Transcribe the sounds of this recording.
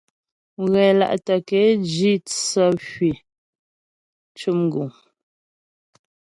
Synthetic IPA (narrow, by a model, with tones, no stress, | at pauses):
ɣɛ˨la̰˦˨ʔtə˨kɛ˨˦d͡ʒi˦˨t͡sə˦ʃɥi˨ | t͡ʃu˦m˨ɡu˨ŋ